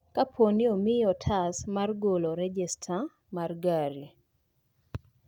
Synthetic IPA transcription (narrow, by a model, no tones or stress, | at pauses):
kapʰonɪomɪjɔtʰasmarɡoloɾɛd͡ʒɛstʰa | marɡaɾi